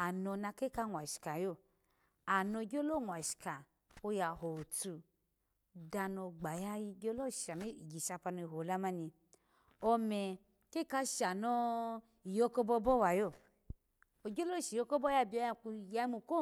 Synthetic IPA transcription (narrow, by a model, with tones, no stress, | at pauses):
a˨no˧na˧ke˦ka˦ŋʷ˨a˨ʃi̥˨ka˨jo˦˨ | a˨no˧˨ɡʲo˦lo˦˨ŋʷ˨a˨ʃi̥˨ka˨ | o˧ja˨ho˨tu˧ | da˧no˧ɡ͡ba˨ja˦ji˧ɡʲo˦lo˦ʃa˨mi˦˨ɡʲi˨ʃa˧pa˧no˧i˧˨ɦo˨la˦ma˦ni˧ | ɔ˧mɛ˧ | ke˦ka˧ʃa˨nɔ˧ | i˨jo˦ko˦bɔ˦bɔ˦wa˨jo˦˨ | o˨ɡʲo˦lo˦˨ʃi˨jo˦ko˦bɔ˦ja˧bi˨˦o˧˦ja˧ku˧ja˧˦i˦mu˧ko˦